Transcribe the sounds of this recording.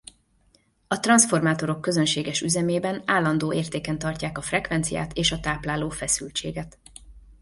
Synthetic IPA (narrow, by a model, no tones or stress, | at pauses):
ɒt̪rɒnsfo̞rmaːt̪o̞ɾo̞kːø̞zø̞nʃeːɡɛʃyzɛmeːbɛnaːlːɒnd̪oːʔeːrt̪eːkɛnt̪ɒrcaːkɒfrɛkvʋɛnt̪sija̰ːt̪ʰeːʃɒt̪aːplaːloːfɛsylt͡ʃḛːɡɛt̪